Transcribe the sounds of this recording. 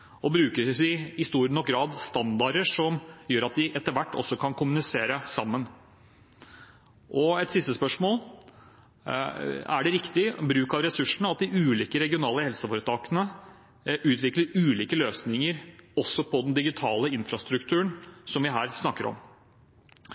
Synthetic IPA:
ɔbɾʉːkəɖɪɪst̪uːɾnɔk̚ɡɾɑːd̪st̪ɑnd̪ɑɾəʂɔmjøːɾɑt̪̚d̪ɪʔɛt̪ːəɾʋæʈːɔ̰sːɔkʰɑnkʰʊmʉnɪseːɾəsɑmːən | ʔɔɛt̪sɪst̪əspœʂmoːl | æɖɛɾɪkt̪ɪbɾʉːkɑʋɾɛsʉʂɳ̩əɑt̪̚d̪ɪʔʉːliːkəɾɛɡɪʊnɑːləhɛlsəfoːɾət̪ʰɑːkənə | ʔʉːt̪ʋɪkləɾʉːliːkəløːsnɪŋəɾɔsːɔpʰɔd̪ɛnd̪ɪɡɪt̪ʰɑːləɪnfɾɑst̪ɾʉkt̪ʰʉːəɳsɔmʋɪɦæːɾsnɑkːəɾɔ̰m

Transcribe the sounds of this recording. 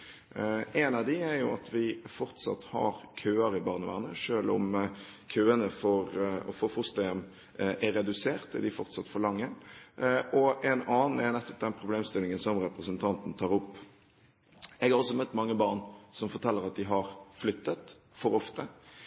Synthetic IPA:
ʔɛnɑd̪ɪæɾjʊɑ̰t̪ʋɪfɔɾt̪sɑ̰t̪hɑ̰ɾkʰøːɑɾɪbɑːʁnəʋæ̰ːʁnə̰ʂøːlʊ̰mkʰøːənəfɔɾɔ̰fɔfʊst̪ɑɛm | ʔɛɾɛd̪ʉseːɾt̪ɪ̰d̪ɪfɔɾt̪sɑt̪ːfɔlɑŋːə | ʔɔʔɛnɑːnn̩ɛɾnɛt̪ːɔ̥p̚d̪ɛnpʰɾʊbleːmst̪ɪlɪŋənsɔmɾɛpɾəsənt̪ʰɑnt̪n̩t̪ʰɑːɾʊpː | ɛɡɑʁɔsːɔmœt̪ːmɑŋːəbɑʁnsɔmfɔɾt̪ʰɛlːəɾɑt̪̚d̪ɪɦɑɾflʏt̪ːət̪ | fɔɾɔft̪ə

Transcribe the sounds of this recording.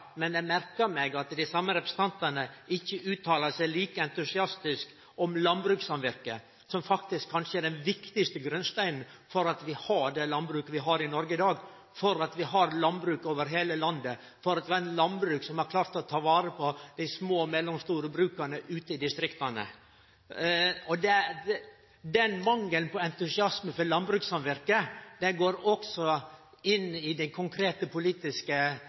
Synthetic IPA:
mɛnjɛmæɾkəɾmeːɡɑt̪d̪æɪsɑmːəɾɛpɾəsə̥t̪ʰɑnt̪ɑnəɪçːəʔʉːt̪ʰɑːlɑsæɪliːkəɛnt̪ʉsɪɑst̪ɪsk | ɔmlɑnbɾʉːksɑmʋɪɾkə | sɔmfɑkt̪ɪskʰːɑnʂəɛɖɛnʋɪkt̪ɪst̪əɡɾʉnst̪æɪnn̩fɔɾɑt̪ʋɪhɑɖɛlɑnbɾʉːkəʋɪɦɑːɾɪnɔɾɡəɪd̪ɑːɡ | fɔɾɑt̪ʋɪɦɑɾlɑnbɾʉːkoːʋəɾɦeːləlɑnd̪ə | fɔɾɑt̪ʋɪɑːɾɛnlɑnbɾʉːksɔmɑɾkʰlɑːɾt̪ɔt̪ʰɑːʋɑːɾəpʰɔd̪̥æɪsmoːmɛlːɔmst̪uːɾəbɾʉːkɑɾɳəʔʉːt̪əɪd̪ɪst̪ɾɪkt̪ɑnə̰ | ɔd̪ɛ | d̪ɛnmɑŋːəlnpʰɔɛnt̪ʉsɪɑsməfɔlɑnbɾʉːksɑnʋæɾkəd̪̥ɛɡoːɾɔksɔ | ɪnːɪd̪ɛkʰʊŋkʰɾeːt̪əpʰʊliːt̪ɪskə

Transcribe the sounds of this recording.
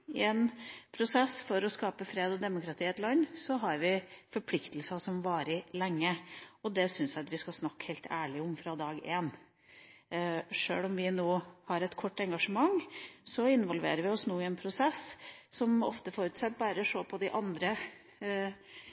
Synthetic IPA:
ɪɛnpʰɾʊsɛsfɔɾɔskɑːpəfɾeːd̪ɔd̪ɛmʊkɾɑt̪ʰiːɛt̪lɑnːsɔɦɑɾʋɪfɔɾpʰlɪkt̪əl̩sɑsɔmʋɑːɾəlɛŋːəɔd̪ɛsʏnsjæɑt̪ʋɪskɑsnɑkːhɛɪlt̪ʰæ̰ːɭɪʊmfɾɑd̪ɑːɡeːn | ʂø̰ːlɔmʋɪnoːhɑɾɛt̪kʰɔʈːɛŋɡɑʂəmɑŋːsɔɪnʋɔlʋḛːɾəɾʋɪɔsnuːɪɛnpʰɾʊsɛsːɔmɔ̰ft̪əfɔɾʉt̪sɛt̪bɑːɾəʂoːpʰɔd̪ɪʔɑnd̪ɾə

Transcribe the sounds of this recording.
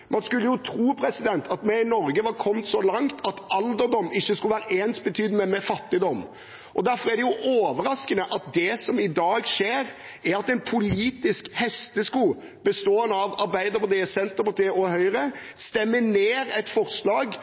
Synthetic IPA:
mʔɑnskʉlːəjʊt̪ʰɾuːpʰɾɛsɪd̪ɛnt̪ʰɑt̪mɛɪnɔɾɡəʋɑɾkʰɔmt̪sɔlɑŋt̪ʰɑt̪ɑld̪əɾd̪ɔmːɪçːəskʉlʋæːɾəeːnt̪bət̪ʰyːd̪mɛmɛfɑt̪ːɪd̪ɔm | ʔɔd̪æɾfɔɾæd̪ɛjʊʔoːʋəɾɑskənəʔɑt̪̚d̪ɛsɔmɪd̪ɑːɡʂeːɾ | æɾɑt̪ɛnpʰʊliːt̪ɪskhɛst̪əskuː | bəst̪oːənɑʋɑɾbæɪd̪əpɑt̪iːsɛnt̪əpɑt̪ʰiːɔhœʏɾə | st̪ɛmːəneːɾɛt̪fɔɾslɑːɡ

